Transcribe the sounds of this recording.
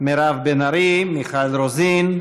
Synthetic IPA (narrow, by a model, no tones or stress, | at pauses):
meɾavbenaɾimiχaelɾozin